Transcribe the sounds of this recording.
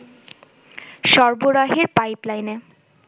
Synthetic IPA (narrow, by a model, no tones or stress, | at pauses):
ʃɔɾboɾaɦeɾpajplajne